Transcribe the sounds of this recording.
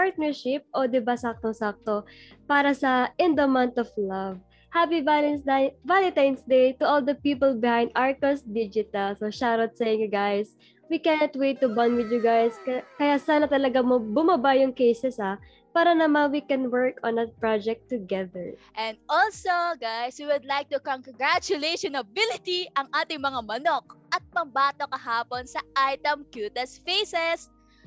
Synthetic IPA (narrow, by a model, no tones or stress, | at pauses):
paɹt̪̚nɛɹʃɪp̚ʔod̪ɪbasak̚t̪oŋsak̚t̪o | paːɾɐsɐʔɪ̃nd̪omãnt̪ɔflɐv | hapialvalit̪ansd̪ejt̪ʊʔold̪ɐpiːpɔlbɪhãj̃nd̪ʔaɹkosd̪id͡ʒɪt̪ɐlsoʃaɾot̪̚sɛjɪŋɡajs | wikɛnɔt̪̚wejt̪ːʊbɐnwɪd̪jʊɡajskkɐjasaːnɐt̪ɐlɐɡamobʊmɐbajʊŋkejsɛsa | paːɾɐnɐmanwikɛ̃nwɛɹkɔ̃nɐt̪̚pɹad͡ʒɛk̚t̪ːʊɡɛðəɹʔɛ̃nd̪̚ɔlsoɡajswiwʊd̪lajk̚t̪ukoŋkŋɡɹat͡ʃʊlejʃɔnɐbɪlɪt̪iʔɐŋʔaːt̪ɪŋmɐŋamɐnok̚ɐt̪̚pɐŋbaːt̪okɐɦaːponsɐʔajt̪ɛmkjut̪ɛsfejsɛs